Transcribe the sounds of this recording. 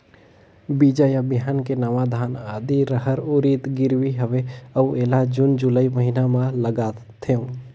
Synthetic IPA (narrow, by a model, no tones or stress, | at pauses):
bid͡ʒajabɪɦaːnkenɐʋad̪ʱaːnaːd̪iɾəɦəɾʊɾiːt̪ɡɪɾwiɦəʋeəueːlad͡ʒʊnd͡ʒʊləiməɦinamãləɡaː | t̪ʰeõ